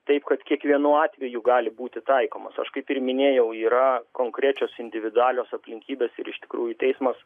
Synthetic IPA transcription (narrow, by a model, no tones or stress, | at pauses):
t̪ɐɪpkɐt̪kʲiɛkʋʲiɛnuːɑːt̪ʲʋʲɛjuɡɑːlʲɪbuːt̪ʲɪt̪ɐɪkoːmɐsɐ̰ʃkɐɪpɪrmʲɪnʲeːjɛʊiːɾɐkoːŋkɾʲæːt͡ʃʲoːsɪnʲd̪ʲɪʋʲɪd̪ʊɑːlʲoːsɐpʲlʲɪŋʲkʲiːbʲeːsɪɾɪʃt̪ʲɪkɾuːjut̪ʲɛɪsmɐs